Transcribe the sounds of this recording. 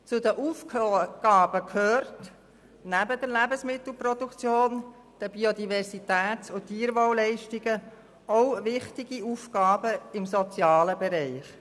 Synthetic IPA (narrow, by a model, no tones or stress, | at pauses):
t͡sʊd̪əʔuːfkɡ̥ɑːb̥əkʰhøːrt | næbəd̥əɾlæbəsmɪt̪l̩ˠprɔd̥ukt͡sjoːn | d̥əbiod̪ivɛɾsit̪æːtʊtːiːɾʋowlɛɪʃtiɡə | oʊvɪχtɪɡ̥iufɡ̥ɑːbəɪmsɔt͡sjɑːləbɛɾɛɪχ